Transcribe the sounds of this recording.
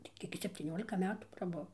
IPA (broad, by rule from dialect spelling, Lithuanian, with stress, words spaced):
tɐɪ ˈkʲiɛk jɪ sʲɛpʲtʲiːˈnʲoːlʲɪkɐ ˈmʲæːtuː prɐˈbʊw